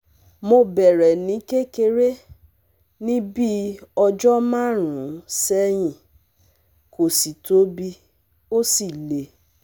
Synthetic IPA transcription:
mo˧bɛ˨ɾɛ˨nĩ˨˦ke˦ke˧ɾe˦ | nĩ˦bi˦ɔ˧d͡ʒɔ˦mã˦˨ɾ̃ũ˨˦sɛ˦j̃ĩ˧˨ | ko˨si˨to˨˦bi˧ | o˦si˦˨le˨

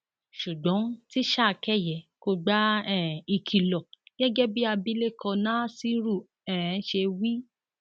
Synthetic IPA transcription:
ʃu˨ɡ͡bɔ̃˨˦ti˦ʃa˦˧kɛ˦˨jɛ˨˦ko˧ɡ͡ba˦ɛ˦˨i˧kʰi˨lɔ˨ɡ̥ɛ˦ɡɛ˦bi˦a˧bi˦le˦˨kʰɔ̃˧nã˦si˦ɾu˦˨ | ɛ˦˨˦ʃe˧wi˦

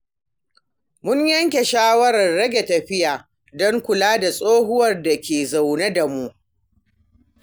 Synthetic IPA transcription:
mʊ˦ɲjɐ˦ŋkʲe˨ʃaː˦wɐ˦ɾɐ˨rːɐ˦ɡʲe˨tɐ˨ɸɪ˦jaː˨ | dɔ˦ŋkʷʊ˨laː˦da˨sʼoː˦ɦʊ˦wɐ˨rda˨kʲeː˨za˨wne˦da˨mu˦ʔ

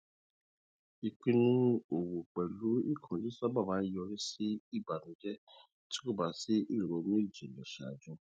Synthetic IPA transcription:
i˨ki˦nũ˦o˨wo˨k͡pɛ˨lu˦i˦kʰɔ̃˨d͡ʒi˦sa˦ba˦˨βã˨˦jɔ˧˦ɾi˦si˦i˦˨ba˨nũ˨˦d͡ʒɛ˦ | ti̥˦ku˦˨ba˨si˦i˦ɾi˨ɾo˨˦m˦i˦˨d͡ʒi˨lɛ˨ʃa̰˨d͡ʒũ˦

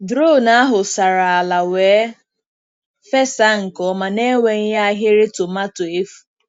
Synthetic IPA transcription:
dɾo˦˨na˦a˦ɦʊ˨sa˨ɾa˨a˨la˨weː˨˦ | fe˦sa˦ŋ̩˨kɔ˨˦ma˨ne˦we˨ŋ̩˦ja˦a˦ɦe˦ɾe˦tʊ˨ma˦tʊ˨e˦fu̥˨

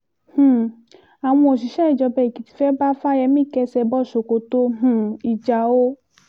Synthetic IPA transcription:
h̩˨ | a˨w̃ɔ̃˧o˨ʃi˨ʃɛ˦i˨d͡ʒɔ˧bɛ˦˨i˨ki˨ti̥˧˦fɛ˦ba˦fa˦jɛ˧mĩ˦˨kɛ˧sɛ˧bɔ˦˨ʃo˨ko˨˦to˧ɦũ˧˨i˨d͡ʒa˧o˦

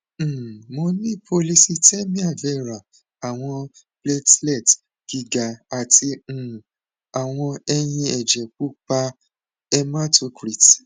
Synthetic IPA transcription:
mo˧nĩ˦˨pʰo˧li˦si˦tɛ˦mĩ˦a˦˨fɛ˦˨ɾa˨ | a˨w̃ɔ̃˧ple˦tlɛ˦˨t | ɡ̥i˨˧ɡa˨a˨tʰĩ˧˨ | a˨w̃ɔ̃˧ɛ˧j̃ĩ˧ɛ˨d͡ʒɛ˨k̚u˦k͡pa˧ | ɛ˧ma˦to˧˦kɾi˨t

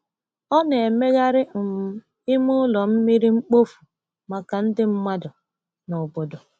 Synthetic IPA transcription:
ɔ˦ne˨e˨me˦ɣa˦ɾɪ˦˨m̩˦ | ɪ˦mʊ˦ʊ˦lɔ˨m̩˦mi˦ɾi˦ŋ͡m̩˦k͡po˦fu˨ | ma˨ka˨n̩˦dɪ˦m̩˦ma˦dʊ˨ | nʊ˨bo˨do˨

